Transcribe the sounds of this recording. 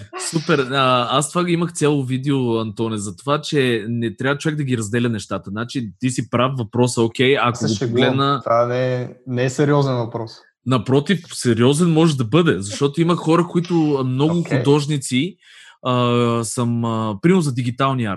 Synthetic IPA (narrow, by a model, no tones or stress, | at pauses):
supɛɾəast̪vaiməxt̪sʲjalˠovid̪ɛoɐnt̪ɔnɛzɐt̪ovat͡ʃɛnɛt̪ɾʲavət͡ʃʊvɛɡd̪ɐɡʲiɾɐzd̪ɛlʲɐnɛʃt̪at̪ənat͡ʃit̪isipɾafvɐpɾɔsəokʲɛjɐkoɡoɡɡlɛdd̪nət̪anɛnɛɛsɛɾiɔzɛnvɐpɾɔs | nɐpɾɔt̪ifsɛɾiɔzɛnmɔʒɛd̪ɐbɤd̪ɛzɐʃt̪ɔt̪oiməxxɔɾəkʊit̪ʊmnɔɡʊxʊd̪ɔʒnit̪si | əsəməpɾimɛɾnʊzɐd̪iɡ̟it̪alˠniaɾt̪